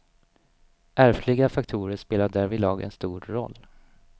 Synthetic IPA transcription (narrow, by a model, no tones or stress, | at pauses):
ʔæɾflɪɡafakt̪ʰuːɾəʂpeːlaɖæɾvɪlɑːɡɛ̰nst̪uːɾɾɔ̰lː